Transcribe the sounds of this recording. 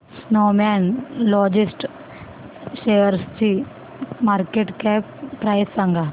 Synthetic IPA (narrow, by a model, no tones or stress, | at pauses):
snoːmɛːnlɔːd͡ʒɪsʈ | ʃeːjəɾst͡ʃi | maːɾkeʈkɛːp̚pɾaːjsãŋɡaː